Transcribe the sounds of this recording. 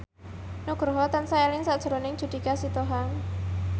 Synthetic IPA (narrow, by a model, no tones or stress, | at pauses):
nuɡ̥ɾɦɔt̪ansaelɪŋsaʔd̥ʒ̥əɾonɪŋd͡ʒ̥ṳd̪̥i̤kasit̪oɦaŋ